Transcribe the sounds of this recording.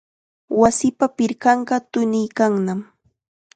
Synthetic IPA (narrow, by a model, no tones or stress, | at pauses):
wasɪpapɪɾkɑɴɢɑt̪ʊnɪjkaŋnam